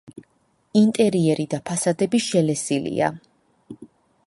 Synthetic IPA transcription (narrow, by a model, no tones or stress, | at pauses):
int̪ʼɛɾiɛɾid̪apʰasad̪ɛbiʃɛlɛsilḭa̰